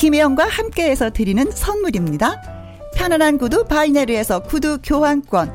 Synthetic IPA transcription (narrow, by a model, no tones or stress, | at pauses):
kimejʌŋɡwahamk͈e̞ːsʰʌtɯɾinɯnsʰʌnmuɾimɲida | pʰjʌnanɦanɡudupaineɾɯe̞sʰʌkudukjoɦank͈wʌn